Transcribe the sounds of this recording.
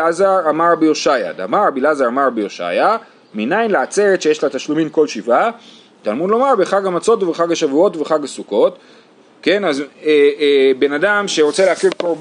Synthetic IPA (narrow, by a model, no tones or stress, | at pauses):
azaʁamaʁbejoʃaja̰d̪a̰maʁabilazaʁamaʁbeoʃa̰ja | minajnleat͡seʁet̪ʃejeʃlataʃlumimko̞lʃiva | t̪almud̪lo̞maʁbeχaɡamat͡so̞tuveχaɡaʃavuo̞tuveχaɡasuko̞t | ke̞nazebe̞nadamʃe̞ʁo̞t͡seleakivkoʁb